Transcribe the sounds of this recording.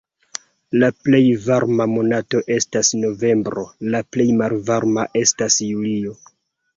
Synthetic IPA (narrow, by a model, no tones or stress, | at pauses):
laple̞jvaɾmamo̞nato̞ʔe̞stasno̞ve̞mbɾo̞laple̞jmalvaɾmaʔe̞stasjulio̞